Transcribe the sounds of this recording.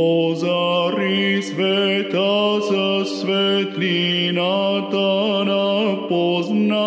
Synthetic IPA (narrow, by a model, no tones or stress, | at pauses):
ozaɾisʋɛet̪asəsʋet̪linat̪anapozna